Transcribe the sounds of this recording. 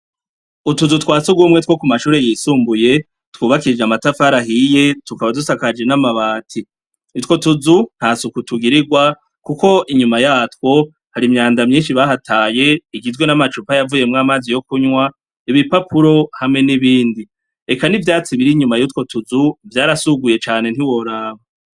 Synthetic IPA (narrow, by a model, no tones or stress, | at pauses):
utuzutkwaːt͡suɡwumŋe̞tkwo̞kumaʃuːɾe̞jisuːmbuje̞ | twuːβakiɾid͡ʒamatafaɾaɦije̞tukaβadusakad͡ʒe̞namaβaːtʰi | itwo̞tuzun̥hasukutuɡiɾiɡwa | kuko̞ʔiɲumajaːtwo̞ | haɾimɲaːndamɲiːnʃiβaɦatʰaːje̞iɡizɡwe̞namat͡ʃupajavuje̞mŋaːmaːzijo̞kuɲŋwa | iβipapuɾo̞hamŋe̞niβiːndi | e̞kanivjaːt͡siβiɾiɲumajutko̞tuzuvjaːɾasuɡuje̞t͡ʃaːne̞n̥hiwo̞ɾaːβa